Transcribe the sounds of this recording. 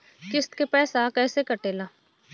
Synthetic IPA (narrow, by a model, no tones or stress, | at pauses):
kɪst̪kepɛːsakɛːsekəʈeːlaː